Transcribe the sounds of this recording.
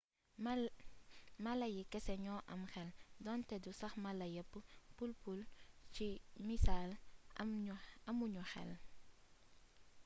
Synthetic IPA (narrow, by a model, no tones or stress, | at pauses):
mɐlɐjikɛsɛɲɔːʔɐmxɛldɔntɛdusɐxmɐlɐjəpːəpulpult͡ʃimisaːl | ɐmuɲuxɛ̰l